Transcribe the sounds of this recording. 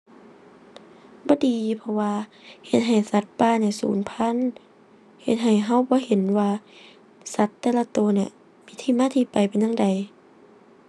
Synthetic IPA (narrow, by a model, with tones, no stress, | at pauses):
bɔː˧˦diː˨pʰɔ˧waː˧he˧˦t̪̚ɦa˨˩jsa˧˦t̪̚paː˧˥˨niː˧˨sṵː˨˦npʰa˧˥˨n | he˧˦t̪̚ɦa˧˨˩jɦa˧˥˨wbɔː˧˦he˨˦nwaː˧ | sa˧˦t̪ːɛː˧la˧t̪oː˧˦ni˧˩˨ | miː˧˥t̪ʰiː˧˥˩maː˧˥˨t̪ʰiː˧˨pa˨jpe˨nja˧˥ŋda˨j